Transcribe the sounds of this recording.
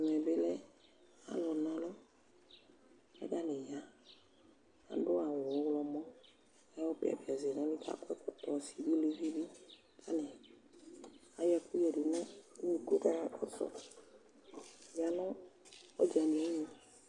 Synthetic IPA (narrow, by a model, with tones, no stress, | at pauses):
m˨ɛ˨be˦lɛ˦ | a̰˦lɔ˨nã˨lɔ˦ | ɛ̰˦ɡa˦ne˨ja˦ | a̰˨ɖo˦a˨wɔ˨ɔ˦wlɔ˨mɔ̃˦ | a˦ɔ˦pḛ˨a̰˨be˨a˨ze˨nã˦lĩ˦ka̰˦kɛ˦kɔ˦t̪ɔ˨si˨bi˦le˨vi˦bi˦ | ka˦nɛ˨ | a˨ja˨ku˦jɛ˨ɖe˨nɔ̃˦ni˨ko˦ka˦a˦kɔ˦sɔ̰˨ | ja˨nɔ̃˦ɔ˦d͡ʒa˨nĩ˨ɛ˦ɲĩ˦